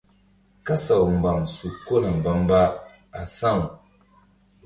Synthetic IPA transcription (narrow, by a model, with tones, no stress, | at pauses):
ka˦sa˨wm̩˨ba˨ŋsu˨kːo˦na˨m˨ba˦mba˦ | a˨sa˦˨ŋ